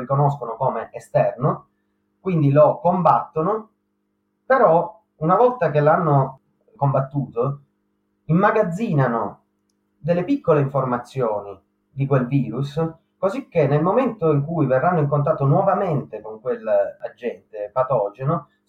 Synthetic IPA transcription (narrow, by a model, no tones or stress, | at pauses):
rikonoskonokoːmeʔest̪ɛrno | kwind̪ilokombat̪ːono | peɾɔ | unavɔlt̪akelanːo | kombat̪ːuːt̪o | imːaɡad̪zːiːnano | d̪elːepikːoleiɱformat̪sːjoːni | d̪ikwelviːɾus | kozikːenːelmoment̪oiŋkujverːanːoiŋkont̪̬at̪ːonwɔvament̪ekoŋkwelːa̰d͡ʒːɛnt̪epat̪ɔd͡ʒeno